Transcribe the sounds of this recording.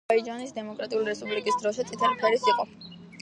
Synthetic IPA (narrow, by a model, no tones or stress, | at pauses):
aid͡ʒanisd̪ɛmɔkʼɾat̪ʼiuliɾɛspʼublikʼisd̪ɾɔʃɛt̪sʼit̪ʰɛlipʰɛɾisiqʼɔ